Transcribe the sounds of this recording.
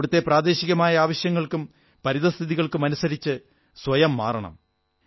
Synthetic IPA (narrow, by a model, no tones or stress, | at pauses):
ɽut̪ːe̞praːd̪e̞ːɕiɣɐmaːjɐaːʋɐɕjɐŋːɐɭkum | pɐɾiðɐst̪ʰiðiɣɐɭkumɐnusɐɾit͡ɕːɨ | sʋɐjɐmːa̰ːrɐɳɐ̰m